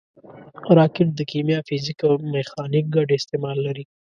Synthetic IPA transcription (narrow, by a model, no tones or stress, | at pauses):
ɾɑkɪʈ̚d̪əkimjɑfizikawmexɑnik̚ɡaɖeːst̪emɑlːaɾi